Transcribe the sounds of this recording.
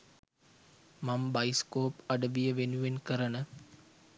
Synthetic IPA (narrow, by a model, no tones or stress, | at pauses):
mambɐjiskoːpɐɖəʋijəʋenuʋenkəɾənə